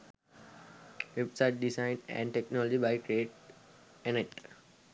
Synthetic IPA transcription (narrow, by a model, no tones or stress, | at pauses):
ɪpsaɪʈ̚ɖisãɪ̃nɖɛ̰̃ɳɖʈeknɔlɔd͡ʒibaɪkɾieːʈ̚ | eneʈ